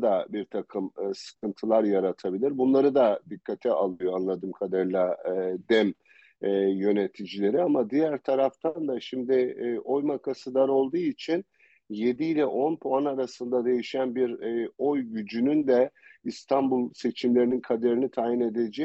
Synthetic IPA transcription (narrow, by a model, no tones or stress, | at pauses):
d̪abiɾt̪ʰakʰɯmɯsɯ̥kɯnt̪ʰɯlˠaɾjaɾat̪ʰabilʲiɾbunlˠaɾɯd̪ad̪ikʰːat̪ʰɛʔalˠɯjoanlˠad̪ɯːmkʰad̪aɾlˠad̪ɛmː | jø̞ne̞t̪ʰid͡ʒilʲe̞ɾiamad̪ijæɾt̪ʰaɾaft̪ʰand̪aʃimd̪ɪʔo̞jmakʰasɯd̪aɾo̞lˠd̪uːit͡ʃʰin | je̞d̪iilʲɛʔo̞npʰoanaɾasɯnd̪ad̪e̞jiʃænbiɾo̞jɟyd͡ʒynynd̪ɛist̪ʰanbulˠse̞t͡ʃʰimlʲeininkʰad̪eɾinit̪ʰaːjine̞d̪ed͡ʒɛ